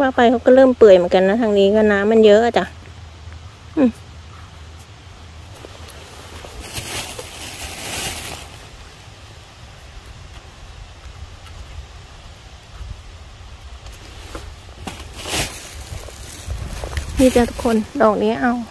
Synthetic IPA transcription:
waː˧˥˩pa˧˨jkʰa˧˥wka˧˩lɤː˥˩˨mpɯ˨˩əjmɯ˨˦˨ka˧˨nːa˧˥t̪ʰaː˧ŋniː˧˥˨ka˧˩naː˧˥mːa˧˥˨njɤ˦˥ʔa˨˩t͡ɕa˧˩ | ʔɯ˧˩ | miː˧˩t͡ɕaː˧˩t̪ʰu̥˦˥kʰo˧˥˨ndɔː˨˩k̚ni˧˥˨ʔa˧˩˨w

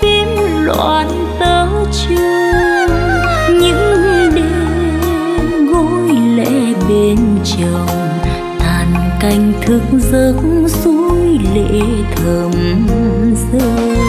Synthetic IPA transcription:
fi˧˦n | lwa̰˧˨˩n | t̪əː˨˧˦ | t͡ɕu˧ | ɲɨ̰˧˥ŋ˧ɗi˧˦ | ɣo˧˥jlḛ˧ | ɓe˧nt͡ɕə˨˩w | t̪aː˨˩n | ka˧jŋ̟t̪ʰɨ˧˩k̚zə˧˨˦kŋzu˧˦˥jlḛ˧˨˥ | t̪ʰə˨˩m | zɨ˧

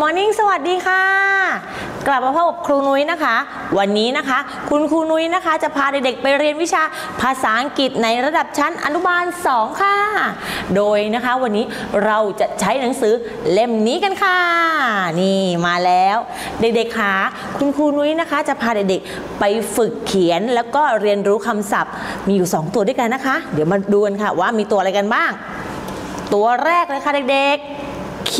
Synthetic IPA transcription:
mɔː˨˦ni˧˥ŋsa˧wa˨˩t̪̚diː˧kʰa˥˩ | kla˨˩p̚maː˧pʰa˧˥˩wka˨˩p̚kʰɾuː˧nu˦˥jna˦˥kʰa˦˥ | wa˧nːiː˦˥na˦˥kʰa˦˥ | kʰu˧nkʰuː˧nu˦˥jna˦˥kʰa˦˥t͡ɕa˨˩pʰaː˧de˨˩k̚de˨˩k̚pa˧jɾi˧ənwi˦˥t͡ɕʰaː˧ | pʰaː˧saː˩˦ʔa˧ŋki˨˩t̪̚na˧jɾa˧da˨˩p̚t͡ɕʰa˦˥nʔa̰˧nu˦˥baː˧nsɔː˨˩˦ŋkʰa˥˩doː˧jna˦˥kʰa˦˥wa˧nːiː˦˥ | ɾa˧wt͡ɕa˨˩t͡ɕʰa˦˥jna˩˦ŋsɯː˩˦ | le˧mniː˦˥ka˧nkʰa˧˥˩niː˥˩maː˧lɛː˦˥w | de˨˩k̚de˨˩kʰːaː˨˩ | kʰu˧nkʰuː˧nu˦˥jna˦˥kʰa˦˥t͡ɕa˨˩pʰaː˧de˨˩k̚de˨˩k̚ | pa˧jfɯ˨˩kʰːi˨˩˦ə˦nlɛː˦˥wkɔː˥˩ɾi˧ənɾuː˦˥kʰa˧msa˨˩p̚miː˧juː˨˩sɔː˩˦ŋt̪u˧du˥˩jka˧nːa˦˥kʰa˦˥dɯ˩˦wmaː˧duː˧ka˧nkʰa˥˩waː˥˩miː˧t̪u˧ɐʔɾa˧jka˧nbaː˥˩ŋ | t̪u˧ɐɾɛː˥˩k̚lɤː˧jkʰa˥˩de˨˩k̚de˨˩k̚

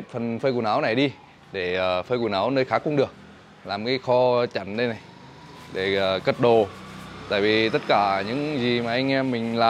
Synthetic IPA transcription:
t̚fə˨˩nfəː˧jku˧˩naː˨˦wna˨˩jɗi˧ | ɗe˧˩əː˨˩fəː˧jku˧˩naː˨˦wnəː˧jxaː˨˦˥kʊ˧˦ŋ͡mɗɨ˨˩ək̚ | laː˨˩mkaː˨˦jxɔ˧t͡ɕa̰˧˩˨ŋɗə˧jna˨˩j | ɗe˧˩əː˨˩kə˦˥t̚ɗo˨˩t̪a̰ː˧˨jvi˨˩t̪ə˦˥t̚kaː˧˩ɲɨ̰˧˥ŋzi˨˩maː˨˩ʔa˧ŋ̟ʔɛ˧mːï˨˩ŋ̟laː˨

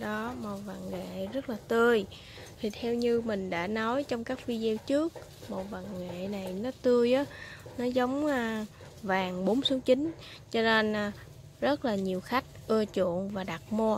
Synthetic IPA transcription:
ɗɔ˨˦mo˨˩wva̰˨˩ŋŋḛ˧˨zə˦˥t̚laː˨˩t̪ɨ˧əj | t̪ʰi˨˩t̪ʰɛ˧wɲɨ˧mï˨˩ŋ̟ɗa̰ː˧˥nɔ˨˦jt͡ɕɔ˧wŋ͡mkaː˦˥k̚fi˧zi˧wt͡ɕɨ˦˥ək̚ | mo˨˩w̚va˨˩ŋŋḛ˧˨na˨˩jnɔ˨˦t̪ɨ˧əjʔa˨˦nɔ˨˦zə˨˦wŋ͡mː | vaː˨˩ŋɓo˨˦nsu˨˦wt͡ɕi˨˦n̟ | t͡ɕɔ˧ne˧nː˧ | zə˦˥t̚laː˨˩ɲi˨˩əwxa˦˥jk̟̚ʔɨ˧ət͡ɕṵ˧˨ənvaː˨˩ɗa˨˩t̚mo˧ə

